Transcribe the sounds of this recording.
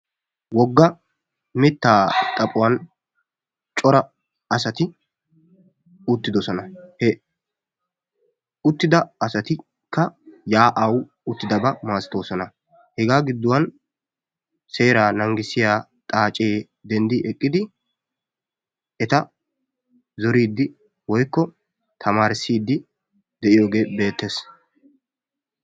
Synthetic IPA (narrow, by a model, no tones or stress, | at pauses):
wɔɡːɐ | mɛt̪ːaːt̪ʼɐpʼʊwɐn | t͡ʃʼɔɾɐ | ɐsɐt̪ɪ | ʊt̪ːɪd̪ɔsɔnɐhɛ | ʊt̪ːɪd̪ɐːsɐt̪ɪ | kːɐjaːʔɐw | ʊt̪ːɪd̪ɐbɐmaːsɪ̥t̪o̞ːsɔnɐ | hɛɡaːɡɪd̪ːʊwɐn | se̞ːɾaːnɐŋɡɪsɪjaː | t̪ʼaːt͡ʃʼːeː | d̪ɛnd̪ɪʔɛkʼːɪd̪ɪ | ɛt̪ɐ | zɔɾiːd̪ːɪ | wɔjkːɔ | t̪ʰɐmaːɾɪsːiːd̪ːɪ | d̪ɛʔɪjo̞ːɡe̞ːbe̞ːt̪ːe̞ːs